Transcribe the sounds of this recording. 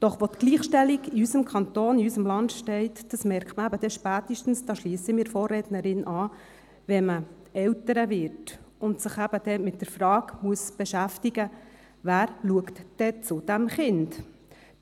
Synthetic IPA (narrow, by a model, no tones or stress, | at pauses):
d̥ɔχʋot̪ɡ̥liːχʃtɛliɡiysəmkʰɑnt̪oːniysəmlɑnd̪ʃtɛɪtd̥ɑsmɛɾktməæbəd̥̪ɛʃpæːt̪əʃtn̩sd̥ɑːʃliːəsəmɪːɾfoːrɛdnəɾɪnʔɑː | ʋɛmə | ɛwtəɾəvɪɾtʊnt̪səχæb̥əd̥̪ɛmɪt̚d̥əɾfɾɑːkmuəsb̥ɛʃæftiɡə | væːɾluəktd̥ɛt͡sʊd̥æmχɪnd